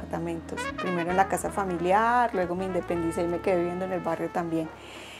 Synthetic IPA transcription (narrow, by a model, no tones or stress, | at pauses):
aɾt̪amẽ̞nt̪ospɾime̞ɾoenlakasafamiljaɾlwe̞ɣo̞miːnd̪epe̞nd̪iseime̞ke̞ðeβje̞nd̪oene̞lbarjo̞t̪ambje̞ŋ